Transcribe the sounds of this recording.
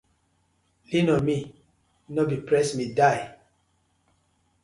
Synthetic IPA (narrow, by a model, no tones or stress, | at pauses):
linɔmi | nɔbipɹɛsmidaj